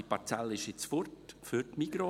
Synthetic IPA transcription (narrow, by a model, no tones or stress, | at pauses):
ipaɾt͡sɛlɪʃɪt͡sfʊɾtfyɾtmiɡ̥ɾo